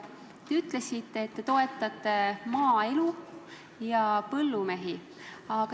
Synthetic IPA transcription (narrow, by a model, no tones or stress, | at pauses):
t̪eyt̪ˑle̞sit̪ːeːt̪ːe̞t̪o̞e̞t̪ːˑɑt̪ˑːe̞mɑːe̞lu | jɑpɤlːume̞ɦi | ɑkɑ